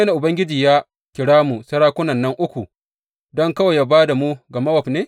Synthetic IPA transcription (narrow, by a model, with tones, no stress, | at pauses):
na˨ʔʊ˨bɐ˦ŋɡʲɪ˦d͡ʒiː˨ja˦ | kʲɪ˨ɽaː˦mu˨sɐ˦ɽaː˦kʷʊ˦nɐ˨nːɐ˦ŋʔʊ˦kʷu˨ | dɔ˦ŋkɐ˦waː˨ja˦baː˦da˨mu˦ɡɐ˨mɐ˦wɐ˨ɸneː˦